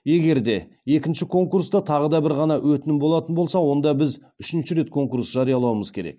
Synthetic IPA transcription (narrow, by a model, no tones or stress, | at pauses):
je̞ɡʲe̞ɾd̪e̞ | je̞kʲɪnʃɪkʰo̞ŋkurst̪ɑt̪ʰɑʁəd̪ɑbɪɾʁɑnɑwɵt̪ɪnɪmbo̞lˠɑt̪ənbo̞lˠsɑwo̞nd̪ɑbɪz | ʏʃɪnʃɪɾe̞t̪kʰo̞ŋkuɾsʒ̥ɑɾijɑlˠɑwəməzkʲʰe̞ɾḛk̚